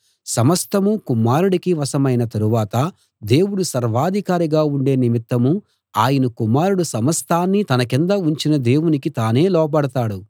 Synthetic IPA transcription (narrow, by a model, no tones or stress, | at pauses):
sɐmɐst̪ʰɐmukumːaːɾuɽikiʋɐsɐmɐjnɐt̪ɐɾuʋaːt̪ɐ | d̪e̞ːwuɽusɐɾʋaːd̪ʱikaːɾiɡaːuɳɖe̞ːnimit̪ːɐmu | aːjɐnɐkumaːɾuɽusɐmɐst̪ʰaːnːit̪ɐnɐkind̪ɐuɲt͡ʃinɐd̪e̞ːwunikit̪aːne̞ːlɔːp̬ɐɽɐt̪aːɽu